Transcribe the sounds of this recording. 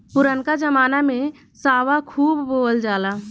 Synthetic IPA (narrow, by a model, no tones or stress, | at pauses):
ʊɾənkad͡ʒəmaːnamẽ | saːʋakʰuːbːoːld͡ʒaːlaː